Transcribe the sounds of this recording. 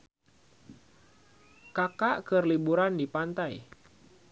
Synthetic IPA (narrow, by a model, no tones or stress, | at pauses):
kakaʔkɨrlibuɾandipant̪aj